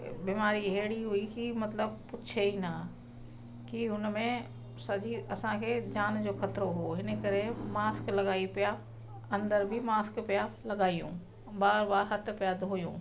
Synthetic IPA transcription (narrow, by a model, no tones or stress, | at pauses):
biːmaːɾieɦɽiɦʊikimɐt̪ləbpʊt͡ʃʰeina | kiʊnmẽ | sɐʄiɐsãkʰeːd͡ʑaːnd͡ʑoːxɐt̪ɾoɦoːɪnə̆kɐɾemaːsklɐɠaːipija | ɐ̃nd̪əɾbʱimaːskpijalɐɠaːijṵ̃ː | baːɾbaːɾɦɐt̪̆ʰpijad̪ʱoːjṵ̃ː